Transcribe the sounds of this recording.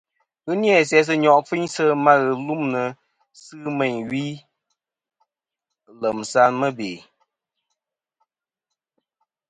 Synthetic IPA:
ɣɨ˦njɛ˨sɛ˨˦s̬ɨ˦ɲɔ˨ʔfi˦ɲsə˦ma˦ɣɨ˨lu˦mnə˨ | sɨː˦mɛ˨ɲɥi˦˨ | lə˨msa˦nmə˦beː˨

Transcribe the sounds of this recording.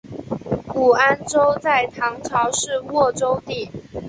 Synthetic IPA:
ku˨˩a˦˥nʈ͡ʂo˥˦ʊt͡sa˥˩ɪt̪ʰɑ˧˥ŋʈ͡ʂʰɑ˧˥ʊʂɻ̩˥˨wɔ˥˨ʈ͡ʂo˥ʊt̪i˥˨˩

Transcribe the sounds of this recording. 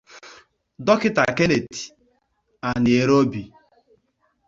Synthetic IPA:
dɔ˦kɪ˦ta˨ke˦ne˨ti̥˨ | a˨nɪ˨e˨ɾo˦bi˨

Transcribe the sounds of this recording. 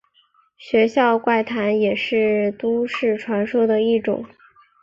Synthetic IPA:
ɕɥɛ˧˥ɕjɑ˥˧ʊkwa˥˩ɪt̪ʰa˧˥njɛ˨˩ʂɻ̩˥˩t̪u˥ʂɻ̩˥˩ʈ͡ʂʰwa˧˥nʂo˥d̪ə˨i˥˩ʈ͡ʂʊ̰˨˩˦ŋ

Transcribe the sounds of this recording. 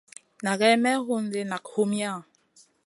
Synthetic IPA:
na˨ɣɛ˦mɛ˦ɦu˦n˦de˦na˨kho˦mja˦˨

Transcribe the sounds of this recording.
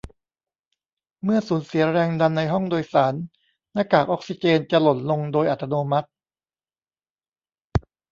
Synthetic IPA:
mɯ˥˩ɐsuː˩˦nsi˩˦ɐɾɛː˧ŋda˧nːa˧jɦɔ˥˩ŋdoː˧jsaː˩˦n | naː˧˥˩kaː˨˩k̚ʔɔ˦˥k̚si˧t͡ɕeː˧nt͡ɕa˨˩lo˨˩t̪̚lo˧ŋdoː˧jʔa˨˩t̪ʰːa˧noː˧ma˦˥t̪̚

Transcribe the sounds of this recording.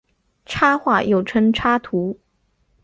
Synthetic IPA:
ʈ͡ʂʰa˥xwa˥˩jo˥˩ʊʈ͡ʂʰə˥ŋʈ͡ʂʰa˥t̪ʰu˧˥

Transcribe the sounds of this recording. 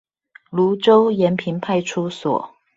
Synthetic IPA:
lu˧˥ʈ͡ʂo˥ʊjɛ˧˥npʰi˧˥npʰa˥˧ɪʈ͡ʂʰu˥swɔ̰˨˩˦

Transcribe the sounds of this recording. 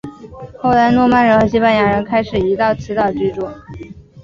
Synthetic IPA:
xo˥˩ʊla˧˥ɪnwɔ˥˧ma˥˩nɻə˧˥nxɤ˧˥ɕi˥pa˥˩nja˨˩ɻə˧˥nkʰa˥ɪʂɻ̩˨˩i˧˥t̪ɑ˥˩ʊt͡sʰɹ̩˧˥t̪ɑ˥˩ʊʈ͡ʂi˥˧ʈ͡ʂu˥˩

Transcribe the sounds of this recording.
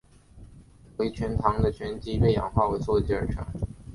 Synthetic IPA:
we˧˥t͡ɕʰɥɛ˧˥nt̪ʰɑ˧˥ŋd̪ə˧t͡ɕʰɥɛ˧˥nt͡ɕi˧˥ɥe˥˩ɪjɑ̰˨˩ŋxwa˥˩we˧˥ɪswɔ˥˧t͡ɕi˥ə̰˞˨˧˩ʈ͡ʂʰɑ˧˥˦ŋ

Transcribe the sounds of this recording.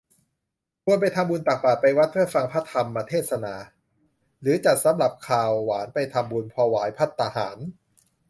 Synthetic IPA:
kʰu˧ənp̬a˧jt̪ʰa˧mbuː˧npa˨˩k̚paː˨˩t̪̚pa˧jwa˦˥t̪̚pʰɯ˥˩əfa˧ŋpʰa˦˥t̪ʰːa˧mːa˧t̪ʰeː˥˩t̪̚sa˧naː˨˧ | ɾɯː˩˦t͡ɕa˨˩t̪̚sa˩˦mɾa˨˩p̚kʰaː˨˩wːaː˩˦npa˧jt̪ʰa˧mbu˧npʰɔː˧waː˩˦jpʰa˦˥t̪ʰːa˧ha̰ː˩˦n

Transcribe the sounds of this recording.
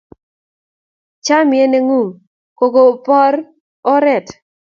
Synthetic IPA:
t͡ʃa˦mɪɛ˦ne˦ŋu˦˨ŋ | ko˨ɡo˨pɔ˦ɾ | ɔ˦ɾɛ˦˨t

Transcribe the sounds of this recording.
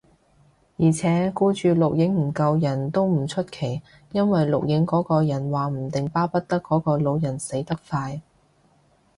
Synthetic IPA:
jiː˨˩t͡sʰɛː˨˥kuː˥t͡ʃyː˨˧lʊ˨k̚jɪ˨˥ŋm̩˨˩kɐ˧wjɐ˨˩nt̪o˥wm̩˨˩t͡ʃʰɵ˥t̚kʰe˨˩j | jɐ˥nwɐ˨jlʊ˨k̚jɪ˨˥ŋkɔː˨˥kɔː˧jɐ˨˩nwaː˨m̩˨˩t̪ɪ˨ŋpaː˥pɐ˥t̚t̪ɐ˥kːɔː˨˥kɔː˧lo˨˧wjɐ˨˩nse˨˥jt̪ɐ˥k̚faː˧j

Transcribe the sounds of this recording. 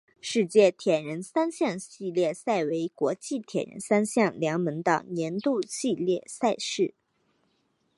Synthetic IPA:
ʂɻ̩˥˧t͡ɕjɛ˥˩t̪ʰjɛ˨˩nɻə˧˥nsa˥nɕjɑ˥˧ŋɕi˥˧ljɛ˥˩sa˥˩ɪwe˧˥ɪkwɔ˧˥t͡ɕi˥˩t̪ʰjɛ˨˩nɻə̰˧˥nsa˥nɕjɑ˥˩ŋljɑ˧˥ŋmə˧˥nt̪ɑ̰˨˩ŋnjɛ˧˥nt̪u˥˧ɕi˥˧ljɛ˥˧sa˥˧ɪʂɻ̩˥˩

